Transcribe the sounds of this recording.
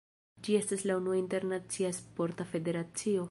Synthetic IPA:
d͡ʒie̞staslaunuainte̞ɾnat͡siaspo̞ɾtafe̞de̞ɾat͡sio̞

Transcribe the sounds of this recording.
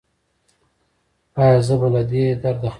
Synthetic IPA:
ajazəbalad̪ed̪aɾd̪ax

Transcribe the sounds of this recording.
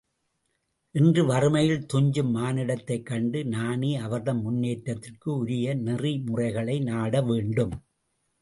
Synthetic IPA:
ʔɪndrɯʋɐrɯmɐjɪlt̪ʊɲd͡ʒɯmːaːnɪɽɐt̪ːɐɪkːɐɳɖɯnaːneːɐʋɐɾðɐmmʊnːeːʈɾɐt̪ːɪrkɯʊɾɪjɐnɪrimʊrɐɪɣɐɭɐɪnaːɽɐʋeːɳɖɯm

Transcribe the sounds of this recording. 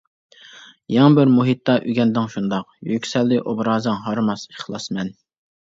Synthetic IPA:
jɑŋəbɪɾmuɦit̪ːɑʔyɡʲɛnd̪ɪŋʃund̪ɑqjykʲsɛlːɪʔobɾɑːzɨŋɦɑɾmɑsəχlˠɑsmɛn

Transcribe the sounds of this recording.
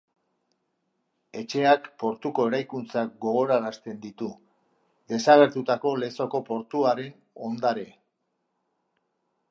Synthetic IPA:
e̞t͡ʃe̞akpo̞ɾt̪uko̞e̞ɾajkunt͡sak̚ɡo̞ɣo̞ɾaɾast̪e̞nd̪it̪u | d̪e̞saɣ̞e̞ɾt̪ut̪ako̞le̞so̞ko̞po̞ɾt̪uaɾe̞n | o̞nd̪aɾe̞

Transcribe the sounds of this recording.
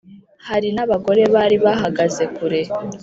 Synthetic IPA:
haɾinaβaɡo̞ɾe̞βaɾiβaɦaɡaze̞kuɾe̞

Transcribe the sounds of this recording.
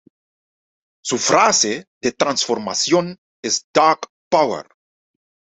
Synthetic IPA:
sufɾased̪et̪ɾansfoɾma̰sjon | esd̪̥ak | pawḛr

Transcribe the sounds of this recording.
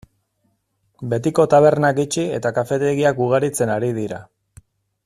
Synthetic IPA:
be̞t̪iko̞t̪aβ̞e̞ɾnakit͡ʃie̞t̪akafe̞t̪e̞ɣiakuɣ̞aɾit͡se̞naɾið̞iɾa

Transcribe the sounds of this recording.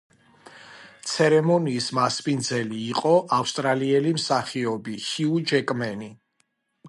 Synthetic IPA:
t̪sʰɛɾɛmɔniːsmaspind̪zɛliːqʼɔʔafst̪ʼɾaliɛlimsaχiɔbihiud͡ʒɛkʼmɛni

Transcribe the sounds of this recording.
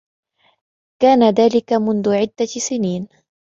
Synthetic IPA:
kaːnaðaːlɪkamʊnðʊʕɪd̪ːasɪniːn

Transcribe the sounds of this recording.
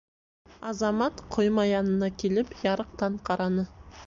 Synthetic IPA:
ɑzɑmɑt̪qʰojmɑjɑnənɑkʲʰelɪpjɑɾəq̚t̪ɑɴqʰɑɾɑnə

